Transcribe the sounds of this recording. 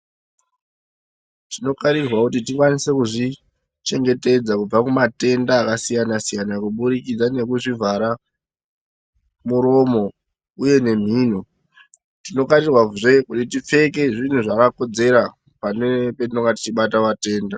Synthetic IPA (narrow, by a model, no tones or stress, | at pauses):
tino̞kaɾirwakutitikwanise̞kuʐi | t͡ʃe̞ŋɡe̞te̞d͡zakub͡vakumate̞ndaːkasijanasijanakuɓuɾikid͡zane̞kuʐivʱaɾa | muɾo̞mo̞ | uje̞ne̞m̤iːn̤o | tino̞kaɾirwaʐe̞kutitip͡fe̞ke̞ʐin̤uʐakako̞d͡ze̞ɾa | pane̞petinoŋɡati̥t͡ʃiɓataʋate̞ːnda